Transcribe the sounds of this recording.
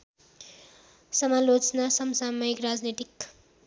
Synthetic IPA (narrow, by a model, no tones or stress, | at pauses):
sʌmalot͡snasʌmsamʌikɾad͡znet̪ik